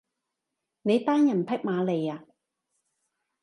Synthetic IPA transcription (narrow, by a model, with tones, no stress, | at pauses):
ne˨˧jt̪aː˥njɐ˨˩npʰɐ˥k̚maː˨˧le˨˩jaː˨˧